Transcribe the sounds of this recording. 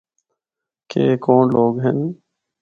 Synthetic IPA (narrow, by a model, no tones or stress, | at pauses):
keːkoːnloːɡɦɛn